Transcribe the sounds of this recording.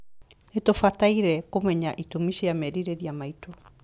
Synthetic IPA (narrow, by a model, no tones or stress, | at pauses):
etofataiɾɛkomɛɲaʔitomiʃiamɛɾiɾeɾiamaito